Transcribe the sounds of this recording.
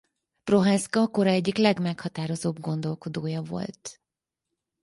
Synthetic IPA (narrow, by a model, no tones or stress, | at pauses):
pro̞ɦaːskɒko̞ɾɒɛɟːiklɛɡmɛkhɒt̪aːɾo̞zoːbɡo̞nd̪o̞lko̞d̪oːjɒvo̞̰lt̪